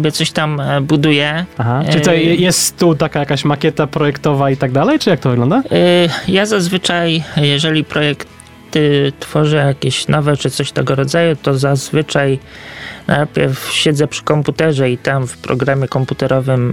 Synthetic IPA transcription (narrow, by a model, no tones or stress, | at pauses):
bʲjɛt̪sɔɕt̪ambud̪ujɛaɦaɨt̪ɔjɛst̪ːut̪akajakaɕmakʲɛt̪apɾɔjɛkt̪ɔvait̪aɡ̚d̪alɛjt͡ʂɨjak̚t̪ɔvɘɡlɔnd̪ajazazvɘt͡ʂajjɛʐɛlʲipɾɔjɛk | t̪t̪fɔʐɛjakʲeɕnɔvɛt͡ʂɘt̪sɔɕt̪ɛɡɔɾɔd̪zajut̪ɔzazvɘt͡ʂaj | nʔa̰jpʲjɛɾfɕɛd̪zɛpʂɘ̥kɔmput̪ɛʐɛit̪amfpɾɔ̰ɡɾamʲjɛkɔmput̪ɛɾɔvɘm